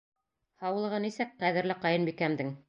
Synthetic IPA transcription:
hɑw̆lˠɤ̆ʁɤnisɘk̚qæðɘ̆ɾlɘqɑjɤnbikæmd̪ɘŋ

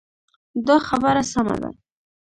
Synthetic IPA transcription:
d̪ɑxabəɾasama̰d̪a̰

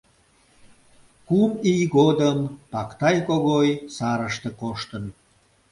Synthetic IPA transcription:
kumijɡod̪əmpɑkt̪ɑjkoɣojsɑɾəʃt̪ĕkoʃt̪ən

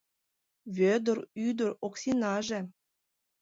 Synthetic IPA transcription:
βʲød̪ə̆ɾyd̪əɾoksinɑʒĕ

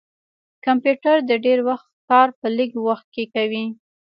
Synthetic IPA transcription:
kampjuʈaɾd̪əɖeɾwaxt̪kɑɾpəliɡwaxt̪̚kekawi

